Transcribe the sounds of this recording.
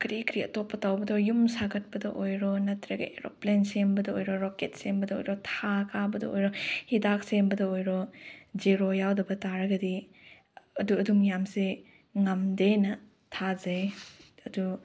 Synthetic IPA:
kɾikɾiɐ̰topːɐtawbɐdɔjumsaɡɐt̚pɐdɐʔojɾɔnɐtɾɐɡɐeɾo̰plensembɐdɐojɾɔɾoket̚sembɐdɐo̰jɾɔtʰakʰabɐdɐ̰o̰jɾɔhidak̚sembɐdɐojɾɔziɾojawdɐbɐtaɾɐɡɐdi | ɐduɐdumjamse | ŋɐmdenɐ | tʰazɐjɐdu

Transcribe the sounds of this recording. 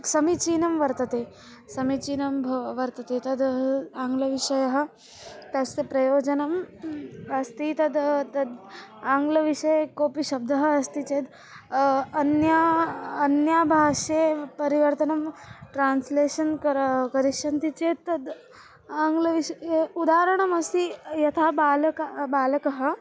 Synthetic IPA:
sɐmit͡ʃiːnɐmʋɐɾt̪ɐt̪eː | sɐmit͡ʃiːnɐmbʱɐʋɐɾt̪ɐt̪eːt̪ɐd̪aːŋɡlɐʋiʂɐjɐɦɐ̆ | t̪ɐst̪epɾɐjoːd͡ʒɐnɐm | ɐst̪it̪ɐd̪t̪ɐd̪aːŋɡlɐʋiʂɐjkoːpiʃɐb̚d̪ʱɐɦɐɐst̪it͡ʃeːd̪ | ɐnjaɐnjaːbʱaːʃeːpɐɾiʋɐɾt̪ɐnɐmʈɾaːnsleːʃɐnkɾkɐɾiʂɐnt̪it͡ʃeːt̪ɐd̪ | aːŋɡlɐʋiʃɐud̪aːɾɐɳ̃ɐmɐst̪ijɐt̪ʰaːbaːlɐkbaːlɐkɐɦɐ̆

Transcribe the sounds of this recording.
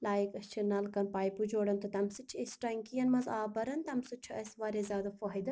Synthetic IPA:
laːjikɐst͡ʃʰinɐlkɐnpaːjpud͡ʒoːɽɐnt̪ɨt̪ɐmsɨt͡ʃʰesʈɐŋkijɐnmɐzaːbɐɾɐnt̪ɐmsut͡ʃʰuʔɐsʲʋaɾezaːd̪ɐfoɦid̪ɨ

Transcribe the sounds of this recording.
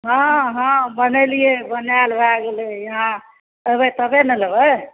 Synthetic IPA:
ɦãɦãbənəlijebənjalbaɡelejəɦã | əbət̪əbenəlebə

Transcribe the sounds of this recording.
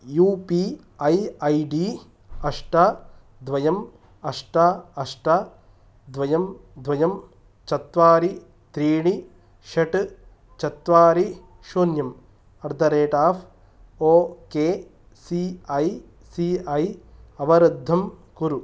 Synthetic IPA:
juːpi | ɐjɐjɖiː | ɐʂʈa | d̪ʋɐjɐm | ɐʂʈaːɐʂʈa | d̪ʋɐjɐmd̪ʋɐjɐm | t͡ʃɐt̪ʋaːɾi | t̪ɾiːɳi | ʃɐʈɨ | t͡ʃɐt̪ʋaːɾi | ʃoːnjɐm | ɐɾd̪ʱɐɾeːʈaːfʰ | oːkeː | siɐj | siɐjɐʋɐɾɐd̪ʱːɐmkuɾu

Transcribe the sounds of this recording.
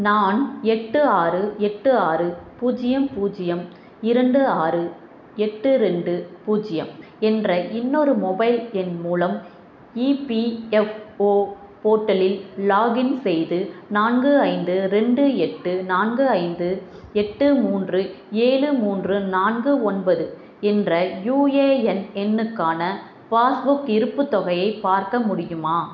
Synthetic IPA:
naːnɛʈːɯaːrɯɛʈːɯaːrɯpuːd͡ʒɪjɐmpuːd͡ʒɪjɐm | ɪɾɐɳɖɯaːrɯ | ɛʈːɯɾɛɳɖɯpuːd͡ʒɪjɐ̰m | ɛndrɐʔɪnːɔɾɯmɔbɐɪlɛnmuːlɐm | iːpiɛfoː | poːʈːɐlɪllaːɣɪnsɛjðɯnaːnɡɯɐɪnd̪ɯɾɛɳɖɯɛʈːɯnaːnɡɯɐɪnd̪ɯ | ɛʈːɯmuːndrɯ | eːɻɯmuːndrɯnaːnɡɯɔnbɐðɯ | ɛndrɐjuːeːɛnɛnːɯkːaːnɐ | faːsbʊkɪɾɯpːɯt̪ːɔɣɐjɐɪpːaːɾkɐmʊɽɪjɯmaː

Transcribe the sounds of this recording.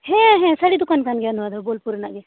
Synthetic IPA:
ɦẽɦɛ̃sɐɽid̪ukankanɡeɐnʋad̪aboːlpuɾnaɡe

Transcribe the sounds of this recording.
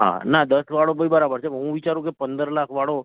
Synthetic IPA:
ɦã̰nad̪əsʋaɽobəibəɾabəɾt͡ʃʰeɦũʋit͡ʃaɾũkepənd̪əɾlakʰʋaɽo

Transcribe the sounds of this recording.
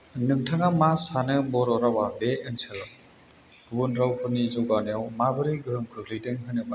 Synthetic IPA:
nɯŋtʰaŋamasanɯbɔɾɔɾawabeɯnsɯ | ɡbɯnɾawpʰɯnizɔɡanijawmabɯɾɯɡɯɦɯŋkʰɯɡlɯdɯŋɦɯnɯba

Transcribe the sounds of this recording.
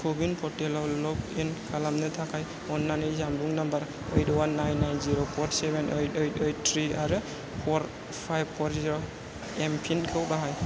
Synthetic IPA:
kʰobinpʰɔtɛlawlɔpinkʰalamnɯt̪ʰakʰaj | ɔnːanɯjzambuŋnambaɾ | ɔjtwanːajnːajnziɾopʰɔtsɛbɛnʔɔjtetejt̚tʰɾiaɾɯ | pʰɔɾ | pʰajb̚pʰɔɾziɾo | ɛmpʰinkʰɯwbaɦaj

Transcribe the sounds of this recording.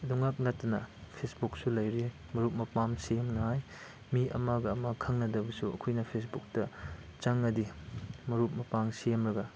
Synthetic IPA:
duŋak̚nɐtːɐnɐ̰pʰesbuk̚sulɐjɾi | mɐɾup̚mɐpamsemnɐɦaj | miɐ̰maɡɐːmakʰɐŋnɐdɐbɐsuɐ̰kʰojnɐpʰes̬buk̚tɐ | t͡ʃaŋːɐdimɐɾup̚mɐpaŋsemɾɐɡɐ

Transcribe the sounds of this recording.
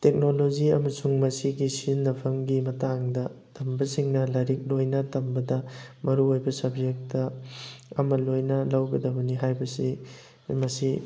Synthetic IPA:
tek̚nolod͡ʒiɐmɐsuŋmɐsiɡisinːɐpʰɐmɡimɐtaŋdɐ | tʰɐmbɐsiŋnɐlɐɾik̚lojnɐtɐmbɐdɐmɐɾuojbɐsɐb̚zek̚tɐ | ɐmɐlojnɐlɐwɡɐdɐbɐniɦajbɐsi | mɐsi

